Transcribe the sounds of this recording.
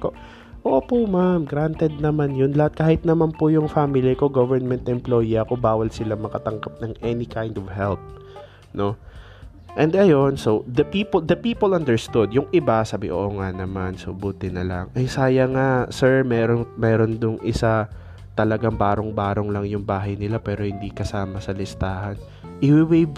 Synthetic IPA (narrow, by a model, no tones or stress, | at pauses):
ko | ʔoːʔopʊmamɡɾant̪ɛd̪̚nɐmanjʊnlɐhat̪̚kaːhɪt̪̚nɐmanpʊjʊŋfaːmɪliko̞ɡovɛɹnmɛnt̪ɛmplo̞jiʔɐko̞baːwɐlsɪlamɐkɐt̪ɐŋkap̚nɐŋʔɛnɪkajnd̪ɔvhɛlp̚ | no̞ | ʔɛ̃nd̪ʔɐjo̞nsowd̪ɐpiːpold̪ɐpiːpolʔɐ̃nd̪ɛɹst̪ʊd̪jʊŋʔɪbasaːbɪʔo̰ːʔoŋanɐmansobuːt̪ɪnɐla̰ŋʔɐjsaːjɐŋasɛɹmɛːɾoŋmɛːɾo̞nd̪ʊŋʔɪsa | t̪ɐlɐɡaŋbaːɾoŋbaːɾo̞ŋlɐŋjʊŋbaːɦɐjnɪlapɛːɾo̞hɪnd̪ikɐsaːmɐsɐlɪst̪aːhɐn | ʔɪwɪwe